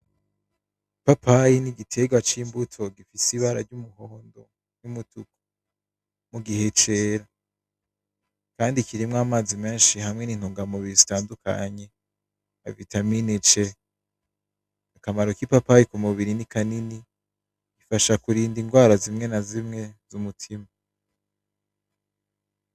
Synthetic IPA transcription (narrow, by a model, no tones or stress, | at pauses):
papʰajiniɡitʰe̞ɡwat͡ʃiːmbutʰo̞ɡifisiβaɾa̰ɾɟumuɦoːndo̞ | numutuko̥ | muɡihe̞t͡ʃe̞ːɾa | kaːndikiɾimŋamaːzime̞ːnʃihamŋe̞niːn̥huːŋɡamuβiɾizitaːnduka̰ɲe̞ | a̰vitaminit͡ʃe̞ | akamaɾo̞kipapajikumuβiɾinikanini | ɡifaʃakuɾiːndiŋɡwaːɾazimŋe̞nazimŋe̞z̥umutʰima